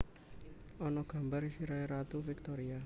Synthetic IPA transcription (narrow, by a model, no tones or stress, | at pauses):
ʔɔnɔɡ̥a̤mbaɾisiɾaiɾat̪ufɪk̚t̪ɔɾia